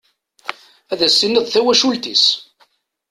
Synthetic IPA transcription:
æðæsːinəðˤθæwæʃult̪is

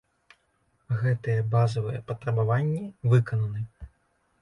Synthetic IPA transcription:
ɣɛt̪ɨjɛbazɐvɨjɛpɐt̪ɾɐbavanʲːivɨkɐnɐnɨ

